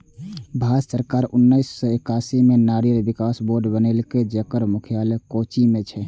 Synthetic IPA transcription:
bʱad͡ʒsəɾkaɾunːəɪsːɔekasimenaɾijəɾbikasboɾɖbənelked͡ʒəkəɾmukʰijalekot͡ʃimet͡ʃʰɛ

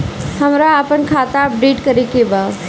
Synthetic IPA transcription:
hɐmɾaːpənkʰaːt̪aɐp̚ɖeːʈkɐɾekebaː

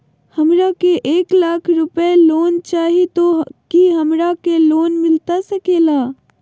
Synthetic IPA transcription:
hɐmɾakeʔeːklaːkʰɾʊpeloːnt͡ʃaːɦit̪okiɦɐmɾakeloːnmɪlt̪asɐkeːlaː

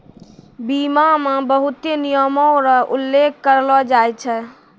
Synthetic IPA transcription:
bimamẽbəɦut̪enijəmɔɾəʔulːekʰkəɾlɔd͡ʒajt͡ʃʰɛ

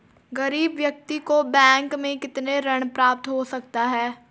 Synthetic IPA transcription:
ɡɐɾiːbʋjɐk̚t̪ikobɛ̃ːŋkmẽkɪt̪neɾəɽ̃pɾaːp̚t̪ɦosɐk̚t̪aɦɛː

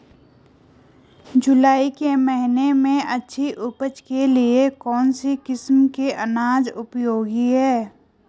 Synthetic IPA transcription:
d͡ʒʊlaːikeməɦɪnemẽɐtːʃʰiʔʊpət͡ʃkeliekɔːnsikɪsmkeʔɐnaːd͡ʒʊpjoːɡiɦɛː

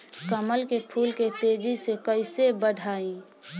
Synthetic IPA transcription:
kəməlkepʰuːlket̪eːd͡ʒisekəɪsebəɖʱaːĩ

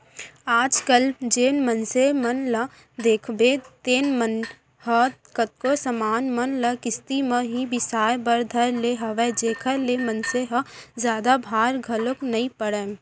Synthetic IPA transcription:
aːd͡ʒkəld͡ʒeːnmənsemənlə | d̪eːkʰbet̪eːnmən | ɦət̪kət̪̚kosəmaːnmənləkɪst̪imə̃ɦibɪsaːjbəɾd̪ʱəɾleɦəʋɛd͡ʒeːkʰəlemənseɦəzjaːd̪abʱaːɾɡʱəloknɐĩpəɽə

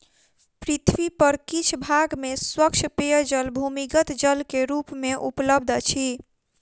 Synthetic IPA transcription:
pɾit̪ʰwipəɾkit͡ʃʰbʱaɡmeswəkt͡ʃʰpeəd͡ʒəlbʱumiɡət̪d͡ʒəlkeɾupmeʔupləb̚d̪ʱt͡ʃʰi

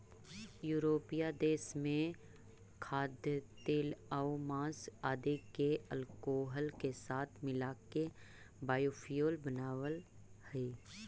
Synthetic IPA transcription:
juːɾoːpijad̪eːsmẽ | kʰaːd̪jət̪eːlaomãːsaːd̪ekeəlkoːɦəlkesaːt̪ʰmɪlaːkebaːjoːfijoːlbənaːʋəl | hɛeː

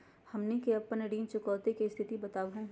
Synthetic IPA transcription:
hɐmnekeɐpːənɐɖiːnt͡ʃʊkɔːt̪ekist̪ʰɪt̪ibɐt̪aːʋɦũ

